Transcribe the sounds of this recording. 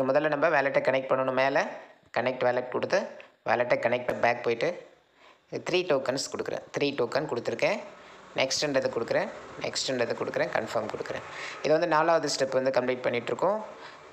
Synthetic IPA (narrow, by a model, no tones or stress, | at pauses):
ɐmʊðɐlːɐnɐmbɐʋeːlɛʈːɛkɐɳɛk̚ʈ̚pɐɳːɐɳɯmeːlɐ | kɐnɛk̚ʈʋeːlɛʈkɔɽɯt̪ːɯʋḛːlɛʈːɛkɐnɛk̚ʈ̚pɐbaːk̚poːjɪʈːɯ | t̪ɪɾiːʈoːkɐnskɔɽɯkːɯɾḛ̃ːt̪ɪɾiːʈoːkɐnkɔɽɯt̪ːɪɾɯkːẽːnɛksʈɛɳɖɐðɯkɔɽɯkːɯɾẽːnɛ̰ksʈɛɳɖɐðɯkɔɽɯkːɪɾẽːkɐ̰ɳfɐɾmkɔɽɯkːɯɾḛ̃ːɪðɯʋɐnd̪ɯnaːlaːʋɐðɯsʈɐpːʋɐnd̪ɯkɐmpliːʈ̚pɐɳːɪʈːɾɯkːʊ̃